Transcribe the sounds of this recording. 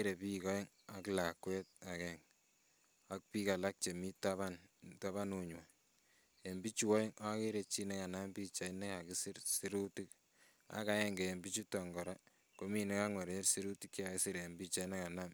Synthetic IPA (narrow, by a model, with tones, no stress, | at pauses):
eɾe˨pi˦kɔ˦i˦ŋ | a˨kla˨kwɛ˦t̚a˨kɛ˨ŋ | a˦k̚pi˦ka˨la˦k̚t͡ʃe˨mi˦taβanta˦βa˦no˨ɲwa˨ | e˨mbi˦t͡ʃu˨wɔ˦jɪ˦ŋa˦ke˦ɾe˨t͡ʃi˦nɛ˦ka˨na˦mbi˦t͡ʃa˨inɛ˦a˨ki˦si˦ɾsi˦ɾu˦ti˦k̚ | a̰˦ka˦jɛ˦ŋɡe˨mbi˦t͡ʃu˦tɔ˨ŋɡɔ˨ɾa˦ | ko˦mi˦˨ne˦ka˦ŋwe˨ɾe˦ɾsi˦ɾu˦ti˦kt͡ʃa˨ke˦si˦ɾe˨mbi˦t͡ʃa˦ne˦ka˨na˦m